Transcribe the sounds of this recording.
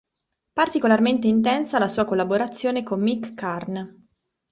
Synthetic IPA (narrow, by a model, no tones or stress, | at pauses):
part̪ikolarment̪̬eint̪̬ɛnsalasuːakolːaboɾat̪sːjoːnekomːikːarn